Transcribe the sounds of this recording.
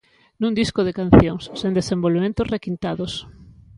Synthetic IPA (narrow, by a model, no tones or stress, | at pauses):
nũnd̪iskoðekan̟θjoŋsːend̪esembolβemẽnt̪osrekint̪aðos